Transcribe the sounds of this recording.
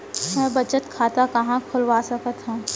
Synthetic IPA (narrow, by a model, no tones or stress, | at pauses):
mɛ̃ːbɐt͡ʃət̪kʰaːt̪akɐɦãkʰʊlʋaːsɐkət̪ɦã